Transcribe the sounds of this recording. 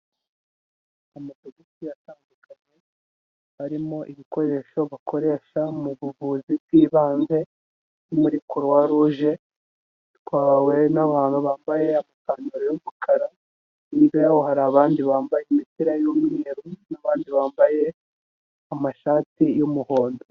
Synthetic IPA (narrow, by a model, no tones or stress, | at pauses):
amatoɡisijataːndukaɲe̞ | βaɾimo̞ʔiβiko̞ɾe̞ʃo̞βakʰo̞ɾe̞ːʃamuβuβuːziiːβaːnze̞ | nimuɾikuɾwaɾuːʒe̞ | twaːwe̞naβaːn̥huβaːmbaje̞amakaːnoɾojomukʰaɾa | niβjojawohaɾaːβaːndiβaːmbajemitiɾajomŋeːɾunaβaːndiβaːmbaje̞ | amaʃaːtijomuho̞ːndo